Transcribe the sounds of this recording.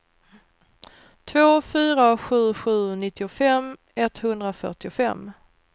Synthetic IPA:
t̪ʰvoːfyːɾaɧʉ̟ːɧʉ̟ːnɪt̪ːɪʊfɛm | ɛt̪hɵnd̪ɾafœ̰ʈɪʊfɛ̰mː

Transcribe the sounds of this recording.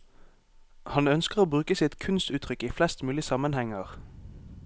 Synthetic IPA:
hɑnœnskəʁoːbʁʉːkəsɪt̪kʰʉnst̪ʉːt̪ʰʁʏkiːflɛst̪mʉːlɪsɑmənhɛŋəʁ

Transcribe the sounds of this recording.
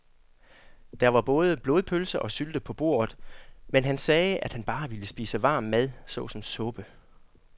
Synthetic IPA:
d̥æɐʋɑ̈b̥ɔ̽ːð̞ˠəb̥lo̝ːðˠpʰølsɐʔɒ̽syld̥əpʰɒ̽b̥o̝̰ːɐ̰ð̞̩ˠmenɦænsɛːʔæd̥hænb̥ɑ̈ːʋiləsb̥ḭːsəʋɑ̈ːmːæðˠsɔ̰̽ːsɒ̽msɔ̽b̥ə

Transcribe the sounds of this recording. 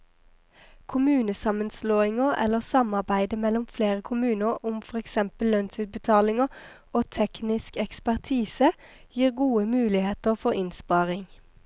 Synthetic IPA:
kʰʊmʉːnəsɑmənsloːɪŋəʔɛ̰ləʁsɑmɑʁbæɪd̪əmɛlʊmfleːʁəkʰʊmʉːnəʁʊmfɔʁɛksɛmpəlːœnsʉːt̪̚bət̪ʰɑːlɪŋə | oːt̪ʰɛknɪskɛkspæʁt̪ʰiːsəjiːʁɡuːəmʉːlɪheːt̪əʁfɔʁɪnspɑːʁɪŋ

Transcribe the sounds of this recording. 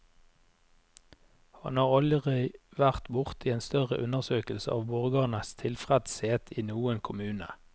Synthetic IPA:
hɑ̰nhɑːʁɑləʁœʋæʁt̪bʊʁt̪iːeːnst̪œʁəʔʉnəʁsøːkəl̩sə̰ɑːʋbʊʁɡɑːnəst̪ʰɪlfʁɛd̪sheːt̪ʰiːnuːənkʰʊmʉːnə̰

